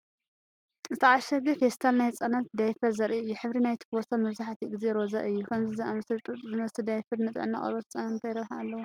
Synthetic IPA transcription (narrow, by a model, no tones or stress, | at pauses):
ɨt̪ʰaʕaʃɐɡifest̪ʰalnajt͡sʼɐnat̪d̪ajfɐɾzɐɾʔiɨjːuħɨβɾinajt̪ʰɨ̥kostʰamɐβzaħt̪ʰiɡɨzeɾoza̰ʔɨjːukʰɐmzizɐmst̪ʼɨɨmɐst̪ʰɨd̪ajfɐɾnɨt̪ʼʕɨ̰nːa̰χʼɐ̰ɾɐt̪ʰɐt͡sʼɐnɐnt̪ʰɐjɾɐβħaalːɐwu